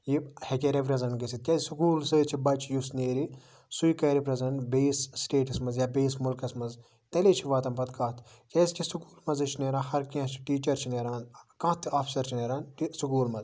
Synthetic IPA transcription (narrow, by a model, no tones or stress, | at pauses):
jihekʲeɾepɾɐzɐɳʈɡɐsit̪̚kʲezsukuːlsɨːt͡ʃʰibɐt͡ʃʰjusneːɾi | sujikɐːɾipɾɐzɐɳbeːsːʈeːʈɐsmɐzjaːbeːsmulkɐsmɐz | t̪ɐleːt͡ʃʰiʋaːt̪ɐmpɐd̪kãːt̪ʰ | kʲeːzt͡ʃʰisukuːlmɐzɨt͡ʃʰineːɾãːhɐɾkɐ̃t͡ʃʰi̥ʈiːt͡ʃɐɾt͡ʃʰineːɾaːnkãːt̪ʰaːpʰi̥sɐɾt͡ʃʰineːɾaːnʈisukuːlmɐz